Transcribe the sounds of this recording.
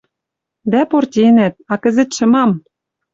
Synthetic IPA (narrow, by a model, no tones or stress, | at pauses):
d̪æport̪ʲenæt̪̚ɑkɘ̆zɘ̆t̪ʃɤ̆mɑm